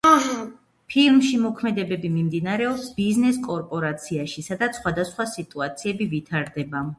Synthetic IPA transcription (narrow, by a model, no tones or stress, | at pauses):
pʰilˠmʃimɔkʰmɛd̪ɛbɛbimimd̪inaɾɛɔsbiznɛskʼɔɾpʼɔɾat̪sʰiaʃisad̪at̪sχwad̪asχwasit̪ʼuat̪sʰiɛbivit̪ʰaɾd̪ɛba